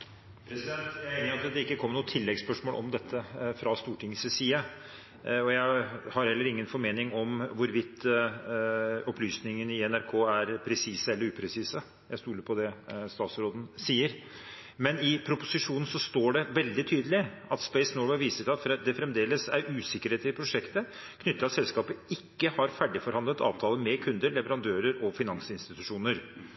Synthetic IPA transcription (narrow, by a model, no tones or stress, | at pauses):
pʰɾɛsɪd̪ɛnt̪jæɪæɪnəɾɑt̪əd̪ɛɪkːəkʰɔmːəɳuːət̪ʰɪlːɛɡspœʂmoːlʔɔ̰md̪ɛt̪ʰːəfɾɑst̪uːʈʰɪŋːəssiːɑ | ɔjæɪhɑɾhɛlːəɾɪŋːənfɔɾmeːnɪŋɔmʋʊɾʋɪt̪ː | ɔplyːsnɪŋənɪɛnæɾkʰoːæɾpʰɾɛsiːsəɛlːəɾʉːpʰɾɛsiːsə | jæɪst̪uːləpʰɔd̪ɛst̪ɑːt̪sɾoːd̪n̩siːəɾ | mɛnɪpʰɾʊpʊsɪʂuːnn̩sɔst̪oːɖɛʋɛld̪ɪt̪ʰyːd̪əlɪɑt̪speɪsnoːwɛʋiːsəsɑt̪fd̪ɛfɾɛmd̪eːləsæɾʉːsɪkːəɾeːt̪ʰɪlpʰɾʊʂɛkt̪ə | kʰnʏt̪ːəɑt̪sɛlskɑːpəɪkːəhɑɾfæɖɪfɔɾhɑnd̪ət̪ɑ̰ːʋt̪ʰɑːləmɛkʰʉnd̪əɾɭɛʋəɾɑnd̪øːɾəɾɔfɪnɑnsɪnst̪ɪt̪ʉʂuːnəɾ